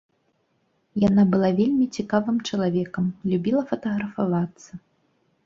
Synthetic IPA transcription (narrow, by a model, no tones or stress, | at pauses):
janabɨlˠavʲelʲmʲit͡sʲikavɨmt͡ʂɐlˠavʲɛkɐmlʲubʲilˠɐfɐt̪ɐɣɾɐfavat̪sːɐ